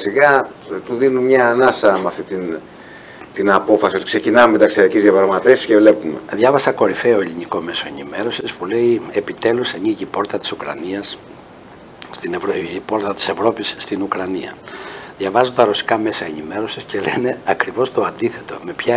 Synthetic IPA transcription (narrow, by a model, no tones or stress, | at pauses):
siɣɐ | t̪uðinunmɲɐːnɐsɐmɐft̪it̪in | t̪inɐpo̞fɐsio̞t̪i̥kse̞cinɐume̞t̪ɐksiɐɾicizðjɐpɾɐɣmɐt̪efsiscevle̞pumeðʝɐvɐsɐko̞ɾife̞o̞eliniko̞me̞so̞e̞nime̞ɾo̞sispule̞ie̞pit̪e̞luseɲiʝipo̞ɾt̪ɐt̪i̥sukɾɐ̰niɐs | st̪inevpo̞ɾt̪ɐt̪i̥se̞vɾo̞pisːt̪inukɾɐniɐ̰ðʝɐvɐzont̪ɐɾosi̥kɐme̞sɐenime̞ɾo̞sisce̞le̞ne̞ɐkɾivo̞st̪o̞ɐnd̪iθe̞t̪o̞̰me̞pçɐ